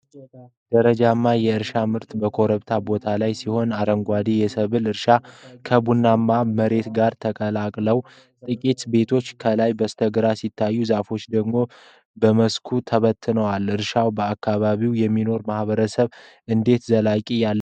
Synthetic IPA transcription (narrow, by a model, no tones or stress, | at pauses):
d̪əɾəd͡ʒamːajɛɨɾʃamɨɾt̪bəkʰo̞ɾəβt̪ʰabo̞t̪ʰalajsiho̞naɾəŋɡʷad̪ijɛsəβɨlɨɾʃakʰəbunːamːaməɾe̞t̪ɡaɾt̪ʰəkʼəlakʼləw | t̪ʼɨkʼit̪be̞t̪ʰo̞t͡ʃːkʰəlajbəst̪ʰəɡɨɾasit̪ʰːajːuzafo̞t͡ʃːd̪əɡmo̞ | bəməskʰut̪ʰəβət̪ʰːɨnəwalɨɾʃawbəakʰːaβaβiwjɛmːino̞ɾmahβəɾəsəβʔɨnd̪e̞t̪zəlakʼijalː